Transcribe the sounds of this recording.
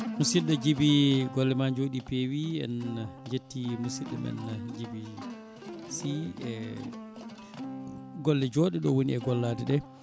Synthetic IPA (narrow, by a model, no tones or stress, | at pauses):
musiɗɛd͡ʒibiɡɔlːɛmaɲd͡ʒoɗipewiɛ̰nd͡ʒetːimusiɗɛ̰mɛ̰nd͡ʒibi | siɛ | ɡɔlːɛd͡ʒoːɗiɗɔwoniɛɡɔlːadɛɗɛ